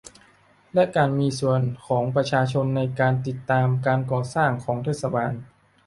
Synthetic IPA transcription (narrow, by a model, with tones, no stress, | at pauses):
lɛ˦˥ʔkaː˧nmiː˧su˨˩ənkʰɔː˩˦ŋpɾa˧t͡ɕʰaː˧t͡ɕʰo˧nːa˧jkaː˧nt̪i˨˩t̪ːaː˧mkaː˧nkɔː˨˩saː˥˩ŋkʰɔː˩˦ŋt̪ʰeː˦˥˩t̪̚sa˧baː˧n